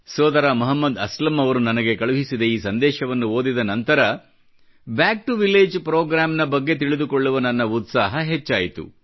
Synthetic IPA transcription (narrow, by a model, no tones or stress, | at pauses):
sɔːd̪ɐɾaːmɐɦɐmːɐd̪ɐslɐmɐʋɐɾunɐnɐɡe̞kɐɭuɦisid̪eiːsɐnd̪ɛːʃɐʋɐnːuo̞ːd̪id̪ɐnɐnt̪ɐɾɐ | baːk̚ʈuʋileːd͡ʒpɾoːɡɾaːmnɐbɐɡːe̞t̪̬iɭid̪uko̞ɭːuʋɐnɐnːɐut̪saːɦɐɦe̞t͡ʃːaːjit̪ṵ